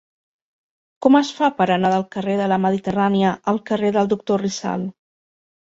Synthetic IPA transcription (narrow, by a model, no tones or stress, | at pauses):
kɔməsfapəɾənaðəlˠkəreðələməðit̪əraniəʔəlˠkəreðəlˠd̪uk̚t̪orisa̰lˠ